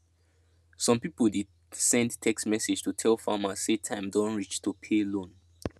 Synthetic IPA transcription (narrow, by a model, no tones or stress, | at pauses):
sɔ̃mpipəlˠdi | sɛ̃ndtʰɛksmɛsed͡ʒtʰutʰɛlfamaːetʰãɪ̃mdɔ̃nɹit͡ʃtʰupʰelõn